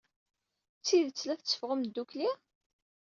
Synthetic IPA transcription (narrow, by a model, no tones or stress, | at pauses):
t͡sːiðət͡sːlæθt͡sːə̥fʁəmd̪ːukli